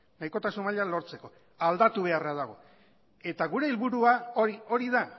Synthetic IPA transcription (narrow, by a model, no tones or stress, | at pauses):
najko̞t̪asunmaʎalo̞ɾt͡se̞ko̞ | ald̪at̪uβ̞e̞arað̞aɣ̞o̞ | e̞t̪aɣuɾe̞ilβuɾuaoio̞ɾiða